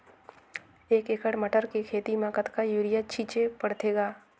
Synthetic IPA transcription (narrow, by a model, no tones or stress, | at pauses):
eːkekəɽməʈəɾkekʰeːt̪imãːkət̪kajuːɾɪjat͡ʃʰiːt͡ʃepəɽt̪eːɡaː